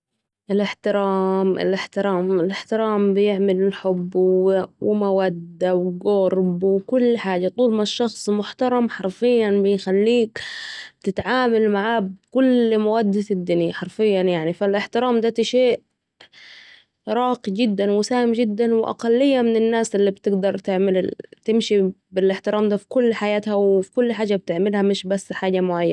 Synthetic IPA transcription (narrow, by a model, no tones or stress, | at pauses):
ʔɪlɪħt̪ɪɾɑːmʔɪ̰lʔɪħt̪ɪɾɑːmɪlʔɪħt̪ɪɾɑːmbɪjɪʕmɪlɪlħʊbːwɪmawad̪ːawɡʊɾˤbwkʊlːħaːd͡ʒat̪ˤuːlmaʃːɑxsˤmʊħt̪ɑɾˤɑmħɑɾˤfɪjːanbɪjxalːiːkt̪ɪt̪ʕaːmalmaʕabkʊlmawad̪ːad̪ːɪnaħɑɾˤfɪjːanjaʕnifalʔɪħt̪ɪɾaːmd̪aːt̪iʃeːʔ | ɾˤɑːqid͡ʒɪd̪ːanwɪsaːhɪmd͡ʒɪd̪ːanwɪʔa̰qɑlːɪjːamɪnɪnːaːsʔɪlːibt̪ɪɡd̪ɑɾˤt̪ɪʕmɪlt̪ɪmʃibɪlʔɪħt̪ɪɾaːmd̪aːfi̥kʊlːħajaːt̪hawfi̥kʊlːħaːd͡ʒab̚t̪ɪʕmɪlhamɪʃbasːħaːd͡ʒamʊʕajːa̰n